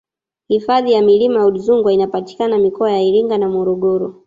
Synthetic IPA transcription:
hifaðijamilimajauɗizuŋɡwainapati̥kanamikɔajaiɾiŋɡanamɔɾɔɠɔɾɔ

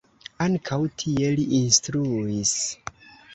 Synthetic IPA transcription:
aŋkʰawtʰie̞liʔinstɾuis

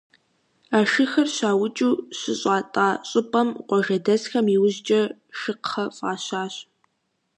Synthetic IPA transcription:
aːʃɨxɐrɕaːwʊt͡ʃʼuːɕɪɕʼaːtʼaːɕʼɪpʼɐmqʷɔʒɐdɐzxɐmiːwʊʑt͡ʃʼɐʃɨqχɐfʼaːɕaːɕ

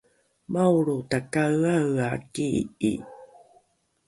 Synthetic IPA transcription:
mawɭutakaɰaakiḭ

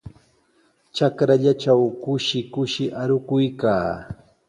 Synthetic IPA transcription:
t͡ʃakɾaʎat͡ʃawkʊʃɪkʊʃɪʔaɾʊkʊjkaː

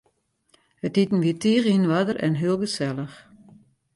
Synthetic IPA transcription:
hətitn̩ʋitʰiːʁinʋadərʔɛ̰nɦiəlˠɡəsɛlˠəx

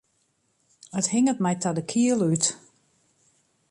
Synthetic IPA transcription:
əthɪŋət̚mɛjtʰɔdəkʰiəlˠyt

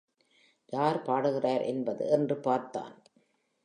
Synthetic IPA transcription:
jaːɾpaːɽɯɣɪraːɾʔɛnbɐðɯ̰ɛndrɯpaːɾt̪a̰ːn

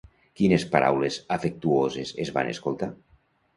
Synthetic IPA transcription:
kinespaɾʔa̰wlezafek̚t̪uozezezβa̰nḛskolˠt̪a

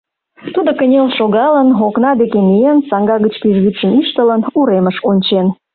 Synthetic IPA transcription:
t̪ud̪okənʲelʃoɣɑlənoknɑd̪ekemijensɑŋɡɑɣət͡ɕpiʒɣyt̪ʃəniʃt̪ələnuɾeməʃonʲt͡ɕen

